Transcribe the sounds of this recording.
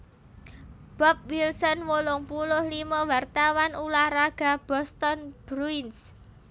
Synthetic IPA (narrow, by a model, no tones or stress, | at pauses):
b̥ɔp̚wilsɔnwolɔŋpulʊhlimawart̪awanulahraɡ̥a̤b̥ɔst̪ɔnb̥ɾuins